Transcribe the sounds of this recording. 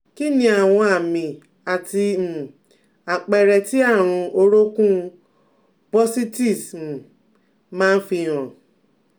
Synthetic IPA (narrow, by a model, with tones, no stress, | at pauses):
ki˦nĩ˧a˨w̃ɔ̃˧a˨mĩ˨ | a˨ti˧˨ | a˨k͡pɛ˧ɾɛ˧ti˦a˦˨ɾ̃ũ˧o˧ɾo˦kũ˦ | bɔ˦si˦ti˦˨s̩˨ | mãː˦n̩˦fĩ˧˨ɔ̃˨